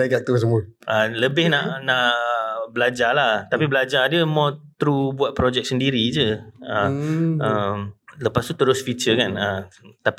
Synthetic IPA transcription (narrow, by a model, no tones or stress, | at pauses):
ajɡaʔ̚t̪əs̬əmu | ʔələbɪhnaʔnaʔəbəlad͡ʒalaht̪apibəlad͡ʒadəmɔt̪ɾubuat̪̚pɾod͡ʒɛk̚səndiɾid͡ʒəəəmləpast̪ut̪əɾʊsfit͡ʃəkanət̪api